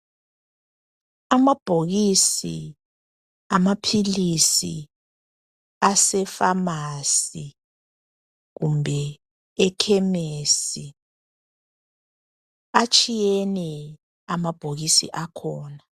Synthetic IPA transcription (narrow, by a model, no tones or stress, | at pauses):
amab̥ʱoɣisi | amapʰilisi | asɛfamasi | ɣumbʱɛ | ɛkʰɛmesi | at͡ʃʼijɛnɛ | amab̥ʱoɣisḭʔakʰɔːna